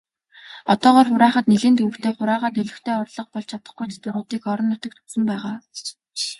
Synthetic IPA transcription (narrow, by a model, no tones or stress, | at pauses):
ɔt̪ɔːʁɔːrχʊɾaːχə̆t̪niɮeːnt̪ɵwɘ̆kt̪ʰeːχʊɾaːʁaːt̪ɵɮɵ̆xt̪ʰeːɔrɮɞ̆q̚pɔɮt͡ɕʰat̪ə̆χɡujt͡ɕ̪t̪ʊrʊːt̪iːkɔɾɞ̆nːʊt̪ə̆k̚t̪ʰu̥sɘ̆mpæːʁaː